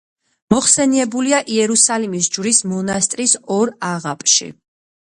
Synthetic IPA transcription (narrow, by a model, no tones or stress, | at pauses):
mɔχsɛniɛbuliaʔiɛɾusalimis̬d͡ʒvɾismɔnast̪ʼɾisɔɾaʁapʼʃḭ